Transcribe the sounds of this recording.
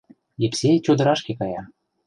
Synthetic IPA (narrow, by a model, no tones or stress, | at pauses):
jepsʲet͡ɕod̪ə̆ɾɑʃkekɑjɑ